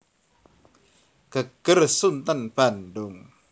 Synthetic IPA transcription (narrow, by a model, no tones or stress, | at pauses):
kakːəɾsunt̪anpanduŋ